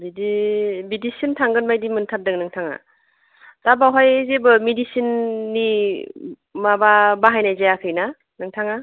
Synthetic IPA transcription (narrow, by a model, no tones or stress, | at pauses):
bidibidisintʰaŋɡɯnbajdimɯntʰap̚dɯknɯŋtʰaŋa̰ | tabawɦajzebɯmidisinːi | mababaɦajnajzajakʰɯjna | nɯŋtʰaŋa